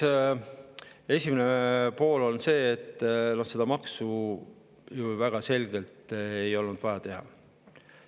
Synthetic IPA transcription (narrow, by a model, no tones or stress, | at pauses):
e̞sʲimenepo̞ːlo̞nse̞ːt̪ːˑno̞hse̞d̪̥ɑmɑksu | juvæɡ̥ɑse̞lɡ̥e̞lt̪e̞jo̞lnud̪̥vɑjɑt̪e̞ɦɑ̰